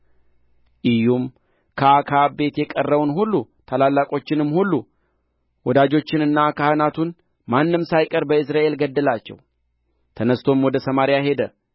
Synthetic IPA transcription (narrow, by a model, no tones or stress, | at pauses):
ʔɪjum | kʰəakʰabe̞t̪jɛkʼərːəwunhulːut̪ʰalalːakʼo̞t͡ʃːɪnɨmːhulːu | wɔd̪ad͡ʒo̞t͡ʃːɪnɨnːakʰahənat̪ʰun | manːɨmsajkʼəɾbəɨsɾaʔe̞lɡəd̪ːəlat͡ʃːɛ̰w | t̪ʰənəst̪ʰo̞mwɔd̪əsəmaɾijaɦe̞d̪ə